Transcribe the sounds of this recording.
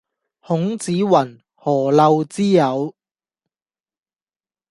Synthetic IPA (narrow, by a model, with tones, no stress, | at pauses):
hʊ˨˥ŋt͡siː˨˥wɐ˨˩n | hɔː˨˩lɐ˧wt͡siː˥jɐ˨˧w